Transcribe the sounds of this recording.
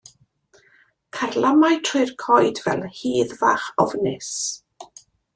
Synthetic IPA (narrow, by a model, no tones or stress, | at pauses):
kʰarlˠamajtʰrʊjrkʰɔjdvɛ̰lˠhiːðvaːχɔvnɪs